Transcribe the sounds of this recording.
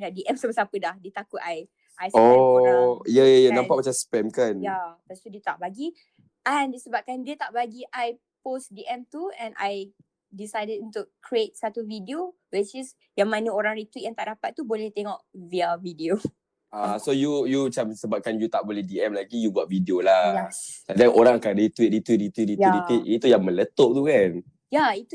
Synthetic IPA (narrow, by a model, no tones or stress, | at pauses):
daʔdiʔɛmsəbəsaapədahdiət̪akʊt̪aj | ʔajso | ijajanãmpaʔmat͡ʃaspɛmkanjat̪ast̪udiət̪aʔbaɡi | ʔandisəbap̚kandiət̪aʔbaɡiʔaj | posdiʔɛmt̪uɛ̃nʔa̰j | disajdədĩnt̪ukɾiet̪̚sat̪uvidio | wit͡ʃis | jaŋmãnəoɾãŋɾit̪wit̪̚jaŋt̪aʔdapat̪̚tːubolɛht̪eŋɔʔviavidio | asojujut͡ʃamsəbap̚kanjut̪aʔbolɛhdiɛmlaɡijubuat̪̚vidiolaladaŋʔoɾaŋkadit̪wit̪̚ɾit̪wit̪̚ɾit̪wit̪̚ɾit̪wiɾiwit̪̚it̪ujaŋmə̃lət̪oʔ̚t̪ukan | jait̪u